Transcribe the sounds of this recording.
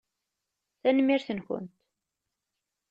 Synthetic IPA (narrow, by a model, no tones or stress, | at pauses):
θænmːiɾθənçə̰nt̪